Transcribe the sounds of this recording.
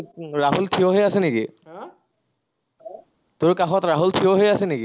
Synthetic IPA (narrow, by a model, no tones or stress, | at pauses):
ɹaɦultʰioɦojasɛnekĩ | tʊɹkaxɔtɹaɦultʰijoɦojasɛneki